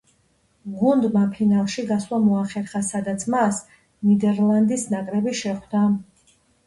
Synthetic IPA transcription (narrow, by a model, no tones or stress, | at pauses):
ɡund̪mapʰinalˠʃiɡaslˠamɔaχɛɾχasad̪at̪sʰmas | nid̪ɛɾlˠand̪isnakʼɾɛbiʃɛχwd̪a